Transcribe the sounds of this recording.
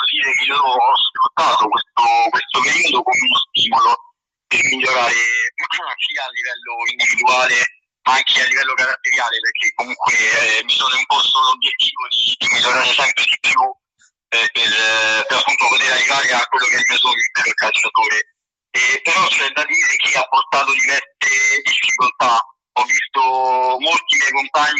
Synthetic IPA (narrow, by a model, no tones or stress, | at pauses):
od̪iːɾemisoːnosfɾut̪ːaːt̪okwest̪okwest̪opeɾiːod̪okomenost̪iːmolo | permiʎːoɾaːɾepukːankialːivɛlːoind̪ivid̪uaːle | maaŋk̟ʰealːivɛlːokaɾat̪ːeɾjaːleperkʰːekːomuŋkwemːisoːnoimpɔst̪oobjet̪ːiːvod̪id̪imiloɾaɾsɛmpɾed̪ipːju | perpeɾapːunt̪opot̪eɾarːivaːɾeakːwelːokennesoːnipɛlolkalt͡ʃːat̪oːɾe | epːeɾɔt͡ʃːɛnd̪ad̪iːɾek̟eapːort̪aːt̪od̪ivɛrt̪ed̪ifːikolt̪a | ɔvːist̪omolt̪imjɛjkompaɲːi